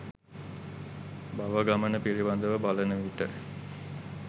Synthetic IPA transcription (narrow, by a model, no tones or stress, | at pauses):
baʋəɡamənəpiɾiband̪əʋəbalənəʋiʈə